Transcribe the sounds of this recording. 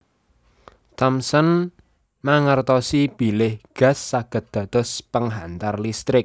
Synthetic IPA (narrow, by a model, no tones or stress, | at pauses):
t̪ɔmsən | maŋərt̪ɔsib̥i̤lɪhɡ̥a̤sːaɡ̥ə̤t̪̚d̪̥a̤d̪̥ɔ̤spəŋɦant̪arlist̪ɾɪk̚